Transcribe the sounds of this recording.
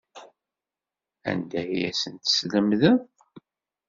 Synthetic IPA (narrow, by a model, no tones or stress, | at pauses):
æ̰nd̪æjæ̰sənt̪sləmðəð